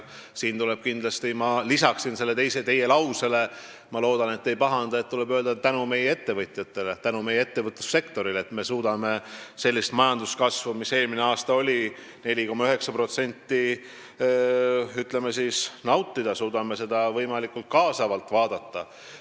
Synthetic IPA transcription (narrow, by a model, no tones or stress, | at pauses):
siːnt̪ule̞b̥̚kind̪̥lɑst̪imɑlisɑksinse̞lːe̞t̪e̞jset̪e̞je̞lɑwse̞le | mɑloːd̪̥ɑne̞t̪ːe̞jpɑɦɑnd̪̥ɑe̞t̪̚t̪ule̞bøːld̪ɑt̪ænume̞jee̞t̪ːe̞vɤt̪ˑjɑt̪ːˑe̞let̪ænume̞jeet̪ːe̞vɤt̪ːˑu̥sːe̞kt̪o̞ɾilet̪me̞suːd̪̥ɑme̞se̞lʲːist̪mɑjɑnd̪uskɑsvumise̞ːlmine̞ɑːst̪ɑo̞lʲi | ne̞lʲiko̞mɑyɦeksɑpro̞t̪se̞nʲt̪ːˑi | yt̪ˑle̞mesiːsnɑwt̪ːˑid̪ɑsuːd̪̥ɑmese̞d̪ɑvɤjmɑlikult̪̚kɑːsɑvɑlt̪ːˑvɑːd̪ɑt̪ːɑ